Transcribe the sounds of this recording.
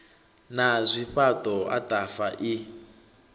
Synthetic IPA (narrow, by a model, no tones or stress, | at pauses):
nazʷiɸatʼɔa̰tʼafaʔi